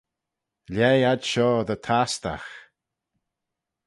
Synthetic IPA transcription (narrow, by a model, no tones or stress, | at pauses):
lʲɛjadʃɔːðət̪ʰast̪a̰x